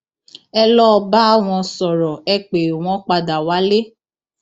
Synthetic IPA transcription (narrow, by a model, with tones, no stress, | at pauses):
ɛ˧lɔ˦˧ba˦a˦w̃ɔ̃˧sɔ˨ɾɔ˨ɛ˧k͡pe˨w̃ɔ̃˦k͡pa˧da˨wa˨˦le˦